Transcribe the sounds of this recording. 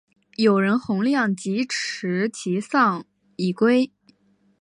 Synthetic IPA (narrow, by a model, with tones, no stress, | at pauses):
jo˨˩ʊɻə˧˥nxʊ˧˥ŋljɑ˥˩ŋt͡ɕi˧˥ʈ͡ʂ̩ʰ˧˥t͡ɕʰi˧˥sɑ˥˩ŋ | i˨˩kwe˥ɪ